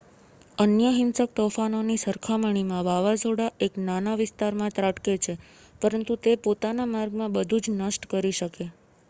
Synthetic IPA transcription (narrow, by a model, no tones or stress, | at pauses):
ənjəɦɪnsək̚t̪ofanonisəɾkʰaməɳ̃imãʋaʋad͡ʒoɽaʔeknanaʋɪst̪aɾmãt̪ɾaʈket͡ʃʰe | pəɾənt̪ut̪epot̪anamaɾɡmãbəd̪ʱud͡ʒnəsʈkəɾiʃəke